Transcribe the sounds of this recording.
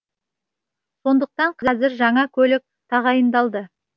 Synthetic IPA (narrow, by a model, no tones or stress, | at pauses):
so̞nd̪əq̚t̪ɑɴqʰzɑzɪɾʒɑɴɑkʲʰɵlɪk̚t̪ʰɑʁɑjənd̪ɑlˠd̪ə